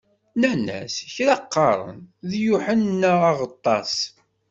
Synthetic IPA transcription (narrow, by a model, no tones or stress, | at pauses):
nænæ̰sçɾɑqːɑɾˤə̰nðjuħənnːəɑʁət̪ˤːɑ̰s